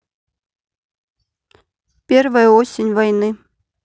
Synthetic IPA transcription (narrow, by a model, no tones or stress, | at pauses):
pʲervəjəosʲinʲvajnɨ